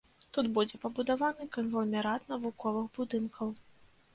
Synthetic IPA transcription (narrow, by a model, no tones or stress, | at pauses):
t̪ud̪bud͡zʲɛpɐbud̪avanɨkɐnvɐlʲmʲɛɾat̪nɐvukɔvɨxbud̪ɨnkʰɐw